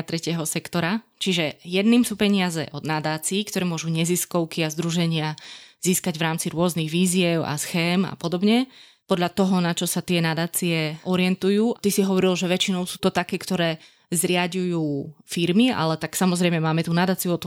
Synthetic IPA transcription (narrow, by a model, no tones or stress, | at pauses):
t̪ɾɛcɪɛɦɔsɛkt̪ɔɾat͡ʃiʒɛjɛd̪niːmsuːpɛɲɪazɛ̰ʔɔd̪nad̪aːt͡siːkt̪ɔɾɛːmʊɔʒuɲɛziskɔʊkiazd̪ɾuʒɛɲɪaz̥iːskaɟʋɾaːmt͡siɾʊɔzniɣʋiːzɪɛʊa̰sxɛːma̰pɔd̪ɔbɲɛpɔd̪ʎat̪ɔɦɔnat͡ʃɔsat̪ɪɛnad̪aːt͡siɛʔɔɾɪɛnt̪ujuːat̪isiɦɔʋɔɾilʒɛʋɛt͡ʃinɔʊsuːt̪ɔt̪akɛːkt̪ɔɾɛː | zɾɪaɟujuːfiɾmia̰lɛt̪aksamɔzɾɛjmɛmaːmɛt̪uːnad̪aːt͡sijuɔt̪